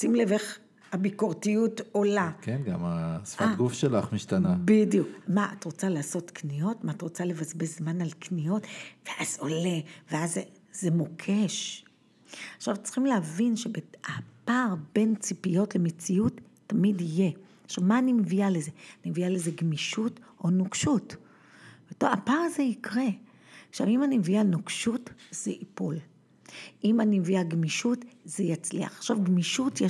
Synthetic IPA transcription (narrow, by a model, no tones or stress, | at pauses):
simleveχ | habikoʁtijuto̞lakenɡa̰masfaɡufʃelaχmiʃtanabidijukmaʔatʁo̞t͡salaːso̞tknijo̞tmaːtʁot͡sale̞vazbe̞zmanalknijo̞tv̥eʔazo̞le̞ve̞aze | ze̞mokʰe̞ʃ | aχʃavt͡si̥χimleavinʃe̞beapaʁbe̞nt͡sipijo̞tle̞met͡siutː | amidije̞ | aχʃavmaːnimevialeze̞animevialeze̞ɡmiʃuto̞nukʃut | b̥etoa̰paʁaze̞ikʁe̞ | aχʃavimanimevianukʃutz̥eʔipul | ʔimanimeviaɡmiʃutzejat͡slḭa̰χaχʃavɡmiʃutje